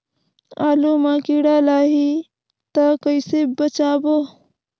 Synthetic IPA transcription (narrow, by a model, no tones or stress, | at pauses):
aːlumakiɽalaːɦi | t̪əkəɪsebət͡ʃaːbo